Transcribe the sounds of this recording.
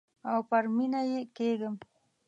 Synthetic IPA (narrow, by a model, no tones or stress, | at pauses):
awpaɾmɪnajekeːɡam